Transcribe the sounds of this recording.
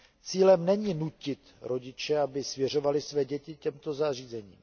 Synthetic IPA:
t͡siːlɛmnɛɲinucɪt̪ɾo̞ɟɪt͡ʃɛabɪsvjɛr̝o̞valɪsvɛːɟɛcɪcɛmt̪o̞zar̝iːzɛɲḭːm

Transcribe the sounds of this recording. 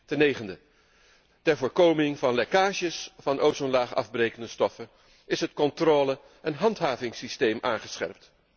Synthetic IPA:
tənejχəndə | tɛɹvoːɹkowmɪŋvɑnlekaːʒəsvɑnʔowsɔnlaːχɑ̰vbrejkəndəstɔfə | ɪsɦətkɔntroːlə | ɛnɦɑntɦaːvɪŋsistejmʔa̰ːŋχəsχɛ̰rpt

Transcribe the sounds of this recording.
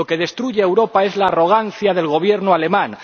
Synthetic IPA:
o̞ke̞ð̞e̞st̪ɾuʝeːwɾo̞pae̞zlaːro̞ɣ̞anθjaðe̞lɣ̞o̞β̞je̞ɾnoale̞mãŋ

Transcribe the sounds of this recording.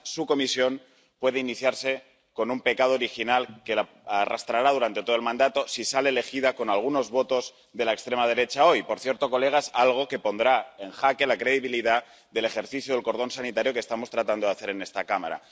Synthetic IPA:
suko̞misjo̞n | pwe̞ðeiniθjaɾse̞ | ko̞numpe̞kað̞oːɾixinalke̞la | ara̰st̪ɾaɾað̞uɾant̪e̞t̪o̞ðlmãnd̪at̪o̞sisalele̞xiðako̞nalɣ̞uno̞zβo̞t̪o̞z | ðe̞laekst̪ɾe̞mað̞e̞ɾe̞t͡ʃao̞jpo̞ɾθje̞ɾt̪o̞ko̞le̞ɣ̞asalɣ̞o̞ke̞po̞nd̪ɾae̞nxake̞lakɾe̞ð̞iβ̞iliða | d̪e̞le̞xe̞ɾθiθjoðe̞lko̞ɾð̞o̞nsanit̪aɾjo̞kest̪amo̞st̪ɾat̪and̪oaθe̞ɾe̞ne̞st̪akama̰ɾa̰

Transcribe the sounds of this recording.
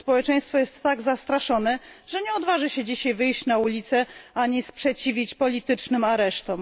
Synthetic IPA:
spɔwɛt͡ʂɛ̃j̃st̪fɔjɛst̪ːaɡzast̪ɾaʂɔnɛʐɛɲɛɔd̪vaʐɘɕɛd͡ʑiɕajvɘjɕt͡ɕnaulʲit̪sɛaɲɛspʂɛt͡ɕivʲit͡ɕpɔlʲit̪ɘt͡ʂnɘmaɾɛʂt̪ɔm

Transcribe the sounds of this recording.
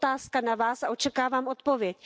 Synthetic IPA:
t̪aːsskanavaːsaʔo̞t͡ʃɛkaːvaːmʔot̪povjɛc

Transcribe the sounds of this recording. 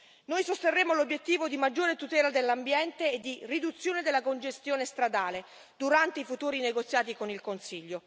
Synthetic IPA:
nojsost̪erːeːmolobjet̪ːiːvod̪imad͡ʒːoːɾet̪ut̪ɛːlad̪elːambjɛnt̪eːd̪ːirid̪ut̪sːjoːned̪elːakond͡ʒest̪joːnest̪ɾad̪aːle | d̪uɾant̪eifut̪uːɾineɡot̪sːjaːt̪̬ikonilkonsiʎːo

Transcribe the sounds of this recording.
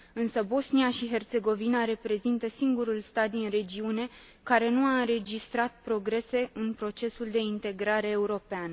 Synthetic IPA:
ɨnsəbo̞sniaʃiɦe̞rt̪se̞ɡo̞vinaɾe̞pɾe̞zint̪əsiŋɡuɾulst̪at̪̚d̪inre̞d͡ʒiune̞ | kaɾe̞nuaɨnɾe̞d͡ʒist̪ɾat̪̚pɾo̞ɡɾe̞se̞ʔɨnpɾo̞t͡ʃe̞suld̪e̞int̪e̞ɡɾaɾe̞ːuɾo̞pean

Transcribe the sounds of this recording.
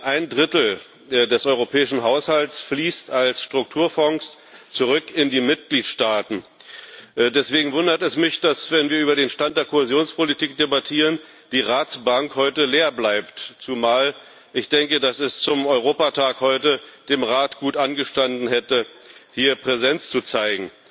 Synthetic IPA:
ʔaɪndʁɪtl̩ | dɛsʔɔʏʁ̞opʰɛːɪʃn̩ɦaʊshaltsfliːstalsʃtʁ̥ʊk̚tʰuːɐfɔŋs | t͡suʁʏkɪndiːmɪt̚ɡ̥liːtʃtaːtn̩ | dɛsv̥eːɡŋ̩vʊndɐtɛsmɪçd̥asvɛnviːɐʔyːbɐɾeːnʃtant̚d̥eːɐkʰohezjoːnspʰolitʰiːk̚d̥ebatʰiːʁ̞ən | d̥iːʁaːt͡sb̥aŋkhɔʏtəleːɐblaɪptt͡sumaːl | ʔɪçd̥ɛŋkədasɛst͡sʊmɔʏʁoːpatʰaːkhɔʏtəd̥eːmʁaːtɡ̥uːtʔanɡəʃtandn̩hɛtəhiːɐpʁ̥ɛzɛnt͡st͡sut͡saɪɡŋ̩

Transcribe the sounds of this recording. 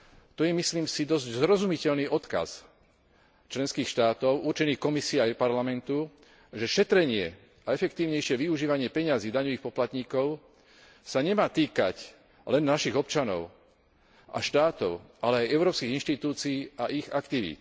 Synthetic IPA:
t̪ɔjɛmisliːmsid̪ɔzɟzɾɔzumicɛʎlniːʔɔt̪ka̰z | t͡ʃlɛnskiːxʃt̪aːt̪ɔʊuɾt͡ʃɛniːxkɔmisiɛajpaɾlamɛnt̪u | ʒɛʃɛt̪ɾɛɲɪɛ | aɛfɛkt̪iːʊɲɛjʃɪɛʋiuʒiːʋaɲɪɛpɛɲaziːd̪aɲɔʋiːxpɔplat̪ɲiːkɔʊ | saɲɛmaːt̪iːka̰c | lɛnːaʃiɣɔpt͡ʃanɔ̰ʊ | a̰ʃt̪aːt̪ɔʊʔalɛajɛʊɾɔːpskiːɣinʃt̪it̪uːt͡siːaʔiɣakt̪iʋḭːt̪

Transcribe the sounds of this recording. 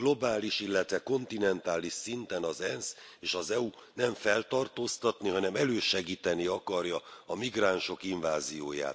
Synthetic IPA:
ɡlo̞baːliʃilːɛt̪ʋɛko̞nt̪inɛnt̪aːliʃsint̪ɛnɒzɛnseːʃɒzɛu | nɛɱfɛlt̪ɒrt̪oːst̪ɒt̪niɦɒnɛmɛløːʃɛɡiːt̪ɛniɒkɒrjɒɒmiɡraːnʃo̞kiɱvaːzijoːja̰ːt̪

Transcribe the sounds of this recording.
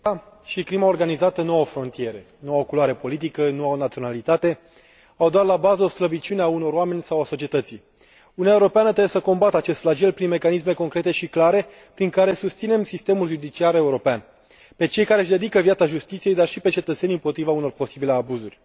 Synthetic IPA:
a | ʃikɾimaorɡanizat̪ənoofɾo̞nt̪ije̞ɾe̞ | nowaokuloaɾe̞po̞lit̪̬ikənuaonat̪sio̞nalit̪at̪e̞ | awd̪oarlabazəost̪ɾəbit͡ʃuneauno̞ɾoame̞nʲsawaso̞t͡ʃie̞t̪ət̪si | unuaeuɾo̞peanət̪ɾebesəko̞mbat̪əat͡ʃe̞st̪flad͡ʒelpɾinme̞kanis̬me̞ko̞ŋkɾe̞t̪e̞ʃiklaɾe̞ | pɾiŋkaɾe̞sust̪sine̞msist̪e̞mulʒud̪it͡ʃiaɾe̞uɾo̞pean | pe̞t͡ʃe̞jkaɾeʃd̪e̞d̪ikəvijat̪saʒust̪it̪sije̞jd̪arʃipe̞t͡ʃe̞t̪ət̪se̞nɨmpo̞t̪ɾivauno̞rpo̞sibile̞abuzurʲ

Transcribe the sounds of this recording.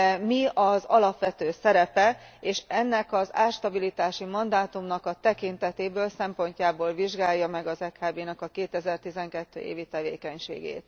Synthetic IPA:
miɒzɒ̰lɒpʋɛt̪øːsɛɾɛpɛeːʃɛnːɛkɒza̰ːʃt̪ɒbilit̪aːʃimɒnd̪aːt̪umnɒkɒt̪ɛkint̪ɛt̪eːbøːlsɛmpo̞ɲcaːboːlviʒɡaːjːɒmɛɡɒzɛkaːbeːnɛkɒkeːt̪ɛzɛrt̪izɛŋkɛt̪ːø̰ːʔḛːvit̪ɛvḛːkɛɲʃḛːɡḛːt̪

